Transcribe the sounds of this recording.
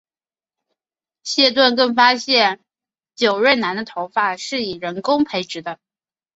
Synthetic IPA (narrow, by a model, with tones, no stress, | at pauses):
ɕjɛ˥˧t̪̬wa˥˧nkɤ˥˩ŋfa˥ɕjɛ˥˩n | t͡ɕjo˨˩ʊɻe˥˩nna˧˥nd̪ə˧t̪ʰo˧˥ʊfa˥˩ʂɻ̩˥˩i˨˩ɻə˧˥nkʊ˥ŋpʰe˧˥ɪʈ͡ʂɻ̩˧˥d̪ə˧